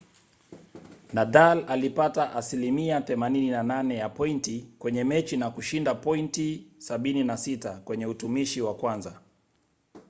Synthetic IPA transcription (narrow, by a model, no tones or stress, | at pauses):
nadalalipataʔasilimiaθɛmanininananɛjapɔintikwɛɲɛmɛt͡ʃinakuʃindapɔintisaɓininasitakwɛɲɛutumiʃiwakwanza